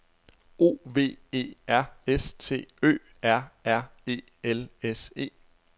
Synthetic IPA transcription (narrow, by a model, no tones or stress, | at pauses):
o̝̰ːʋe̝̰ːe̝̰ːæɐ̰est͡sʰe̝̰ːø̰ː | æɐ̰æɐ̰e̝̰ː | elese̝̰ː